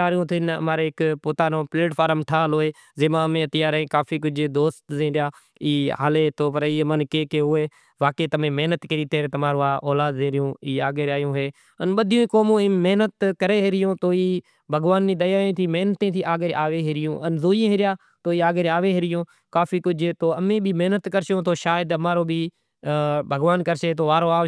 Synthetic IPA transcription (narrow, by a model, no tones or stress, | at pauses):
aːɾjõːt̪ʰɪnə̰maːɾeːɪkpoːt̪aːnõːpleːʈpʰaːɾəmʈʰaːloːeː | zeːmãːmẽːt̪ɪjaːɾẽːkaːfiːkʊd͡ʒʱd̪oːst̪zẽːɾjaː | iːɦa̰ːleːt̪ʰoːpəɾiːmənkeːkeːʊeː | ʋaːkeːt̪əmẽːmeɦnət̪kəɾiːt̪eːɾet̪əmaːɾõːaːʔoːlaːd̪ẽːɾɪjõːiːaːɡeːɾaːjõːɦeː | ənɓəd̪ʱɪjõːiːkoːmõːiːmeɦnət̪kəɾeːɦɪɾɪjõːt̪oːiː | bʱəɡʋaːnːiːɗ̪əjaːẽːt̪ʰiːmeɦnt̪ẽːt̪ʰiːʔaːɡeɾʔaːʋeːɦɪɾɪjõːʔənzoːjẽːɦɪɾɪjaː | t̪oːiːaːɡeɾaːʋeːɦɪɾɪjõː | kaːfiːkʊd͡ʒʱeːt̪oːəmẽːbʱiːmeɦnət̪kəɾʃjõːt̪oːʃaːɪəd̪əmaːɾoːbʱiː | bʱəɡʋaːnkəɾʃeːt̪oːʋaːɾoːaː